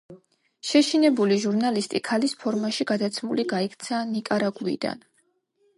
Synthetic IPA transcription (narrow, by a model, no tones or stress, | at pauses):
ʃɛʃinɛbuliʒuɾnalist̪ʼikʰalispʰɔɾmaʃiɡad̪at̪sʰmuliɡaikʰt̪sʰanikʼaɾaɡuḭd̪a̰n